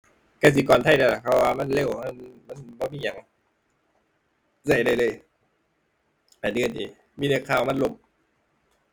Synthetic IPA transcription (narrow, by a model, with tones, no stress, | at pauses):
ka˧˩s̬i˨˧˦kɔː˨˩nt̪ʰa˧˩˨jda˧˩la˧˩kʰa˧˩waː˧ma˧˥˨nle˧˨wma˧˥˨nma˧˥˨nbɔː˧˦miː˧˨a˨˩˦ŋ | sa˧˩jda˧˩jlɤː˧˥˩j | ʔa˨˩dɯ˧˨ndḭː˨˦ | miː˧˥˨na˧˩kʰaː˧˩˨wma˧˥˨nlo˧˨m